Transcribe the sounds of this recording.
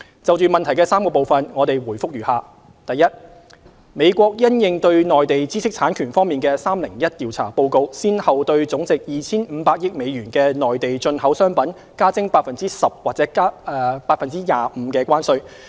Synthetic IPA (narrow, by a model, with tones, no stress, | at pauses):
t͡sɐ˨wt͡ʃyː˨˩mɐ˨nt̪ʰɐ˨˩jkɛː˧saː˥mkɔː˧po˨˩wfɐ˨nŋɔː˨˧t̪e˨jwuː˨˩jfʊ˥k̚jyː˨˩haː˨˧ | t̪ɐ˨˩jɐ˥t̚ | me˨˧jkʷɔː˧k̚jɐ˥njɪ˨˧ŋt̪ɵ˧ɥnɔː˨jt̪e˨jt͡siː˥sɪ˥k̚t͡sʰaː˨˥nkʰyː˨˩nfɔː˥ŋmiː˨nkɛː˧saː˥mlɪ˨˩ŋjɐ˥t̚t̪iː˨wt͡sʰa̰ː˨˩po˧wko˧wsiː˥nhɐ˨wt̪ɵ˧ɥt͡sʊ˨˥ŋt͡sɪ˨k̚jiː˨t͡sʰiː˥nm̩ː˨˧paː˧k̚jɪ˥k̚me˨˧jɥyː˨˩nkɛː˧nɔː˨˩jt̪e˨jt͡ʃɵ˧nhɐ˨˥wsœː˥ŋpɐ˨˥n | kaː˥t͡sɪ˥ŋpaː˧˥t̚fɐ˨nt͡siː˥sɐ˨p̚waː˨t̚t͡sɛː˨˥˧paː˧t̚fɐ˨nt͡siː˥jaː˨m̩˨˧˦kɛː˧kʷwaː˥nsɵ˧ɥ